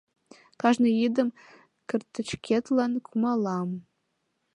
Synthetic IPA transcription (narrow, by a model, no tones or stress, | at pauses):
kʰaʒnɨjidɨm | kʰɨrt̪ʰːɨʈ͡ʂʰkʲʰet̪ʰlankʰumalam